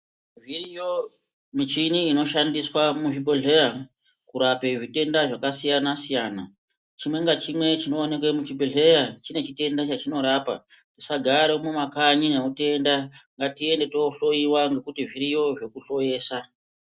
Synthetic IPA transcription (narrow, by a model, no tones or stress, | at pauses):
virijo | mit͡ʃiniːno̞ʃandiswamuʐibʱeɮe̞ja | kuɾape̞ʐite̞ndaʐakasijanasijaːna | t͡ʃimwe̞ŋɡat͡ʃimwe̞t͡ʃino̞ːne̞kwemut͡ʃibʱeɮe̞jat͡ʃine̞t͡ʃite̞ndat͡ʃat͡ʃino̞ɾaːpa̰ | tisaɡʱaɾemumakaɲine̞ute̞ndaŋɡatie̞nde̞tooɬo̞iwaŋɡe̞kutiʐiɾijo̞ʐe̞kuɬo̞je̞ːsa